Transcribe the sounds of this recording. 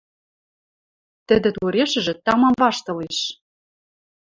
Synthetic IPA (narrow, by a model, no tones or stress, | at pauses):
t̪ɘ̆d̪ɘ̆t̪uɾeʃɘ̆ʒɘ̆t̪ɑmɑmvɑʃt̪ɤ̆leʃ